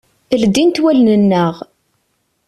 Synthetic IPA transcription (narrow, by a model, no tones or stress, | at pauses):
əld̪int̪wælnənːəʁ